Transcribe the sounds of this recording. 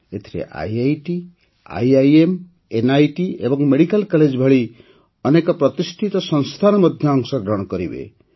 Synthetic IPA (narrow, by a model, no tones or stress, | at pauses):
et̪ʰiɾḛʔa̰jajʈi | a̰jajem | enajʈiḛbɔŋmeɽikalkɔled͡ʒbʱaɭi | ɔnekɔpɾɔt̪isʈʰit̪ɔsɔŋst̪ʰanɔmɔd̪ʱjɔːŋsɔɡɾɔɽ̃ɔkɔɾibḛ